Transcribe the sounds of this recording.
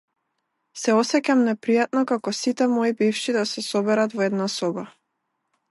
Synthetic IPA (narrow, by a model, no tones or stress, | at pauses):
sɛɔsɛcamnɛpɾijat̪̚nɔkakɔsit̪ɛmɔibifʃid̪asɛsɔbɛɾat̪vɔɛd̪nasɔba